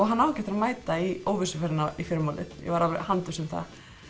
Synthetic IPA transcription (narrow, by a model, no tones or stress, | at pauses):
ɔɣɦanːawcɛt̪ɾamaːjt̪aioːwvɪsʏfaɾɪnaifɪɾmawlɪ̰t̪jɛ̰vaɾavɾ̰hant̪ʏ̥sɛmθa̰